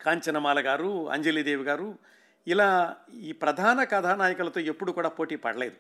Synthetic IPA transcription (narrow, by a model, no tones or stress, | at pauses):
kaːɲt͡ʃɐnɐmaːlɐɡaːɾuɐ̰ɲd͡ʒeliːd̪eːʋiɡaːɾu | ilaːiːpɾɐd̪ʱaːnɐkɐd̪ʱaːnaːjɐkulɐt̪oːe̞pːuɽukuːɽaːpo̞ːʈiːpɐ̰ɽɐle̞ːd̪u